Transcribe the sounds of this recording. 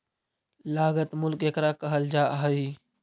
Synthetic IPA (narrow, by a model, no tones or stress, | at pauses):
laːɡət̪mʊlkekɾakəɦəld͡ʒaːɦəi